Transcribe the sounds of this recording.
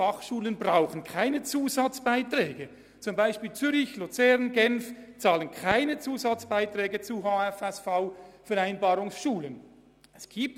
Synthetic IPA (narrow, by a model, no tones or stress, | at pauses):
ɑχʃuːlənbʁaʊχənkʰaɪnət͡suːzɑt͡sb̥aɪtɾɛːɡə | t͡sʊmbaɪʃpiːlt͡syɾɪçlut͡sɛʁnɡɛnft͡sɑːlənkʰaɪnət͡suːzɑt͡sb̥aɪtʁɛːɡət͡suɦaːɛfɛsfaʊfɛʁaɪnbɑːɾʊŋsʃuːlən | ɛsɡ̥iːp̚t